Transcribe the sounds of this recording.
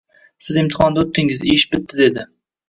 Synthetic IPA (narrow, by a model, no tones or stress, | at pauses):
sɪzɪmt̪ʰɪ̥χɒnd̪aot̪ʰːɪŋɪzeʃbɪt̪ːɪd̪ed̪ɪ